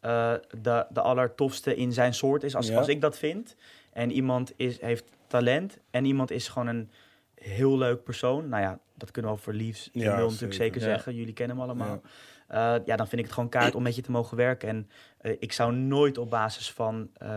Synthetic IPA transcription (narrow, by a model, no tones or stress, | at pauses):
ədədəʔɑləɹtɔfstəʔɪnzɛjnsʊːɹtɪs̬ɑsɑsɪɡ̚dɑtfɪnt | ʔɛnimɑntɪsɦejftː | alɛntɛnimɑntɪsχəʋownən | ɦɪːlˠløɥk̚pəɹsownːawja | dɑtkɵnəʋəofəɹlifsʋɪllˠənətyːləksejkəɹzɛχəjɵlikɛnəəmɑləmaːlˠʔəjaːdɑnfɪndɪkətχəʋownkaːɹtɔmːɛtjətəmowχəʋɛɹkəɛn | ʔɪksawnoːjtɔb̚baːzɪsfɑn